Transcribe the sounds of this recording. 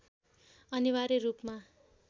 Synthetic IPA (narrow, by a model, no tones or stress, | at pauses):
ʌniwaɾerupma